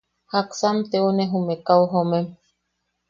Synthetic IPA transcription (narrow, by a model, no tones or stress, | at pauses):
haksamt̪eonẽɦumekawɦomẽm